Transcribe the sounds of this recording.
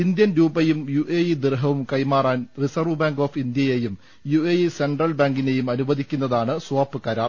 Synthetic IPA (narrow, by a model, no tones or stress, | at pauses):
ind̪jɐnɾuːbɐjumjuʔejid̪irɦɐʋumkɐjmaːraːnrisɐrʋɨbaːŋɡo̞ːfind̪jɐjejum | jueise̞ɳɖrɐlbaːŋɡine̞jumɐnubɐðikʲːunːɐðaːɳɨsuʋaːpːɨkɐːɾaː